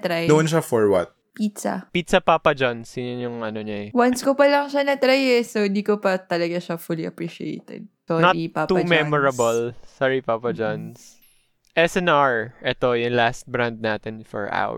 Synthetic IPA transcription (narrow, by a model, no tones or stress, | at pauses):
t̪ɾajnõnʃafɔɹwɐ̰t̪̚ | pit̪sa̰pit̪sɐpaːpɐd͡ʒɐnsɪnʊnjʊŋʔɐnoɲaɛwɐnskopɐlɐŋʃanɐt̪ɾajɛsond̪ikopɐt̪ɐlɐɡaʃɐfuliʔɐpɹiʃiḛjt̪ɛ̰d̪̚tonɐtipap̪ːummɛmɔɹɐbɐlsaɹipaːpɐd͡ʒans | ʔɛsɛnaɹʔɛt̪ojʊŋlast̪̚bɹand̪̚naːt̪ɛnfɔ̰ɹʔa̰w̰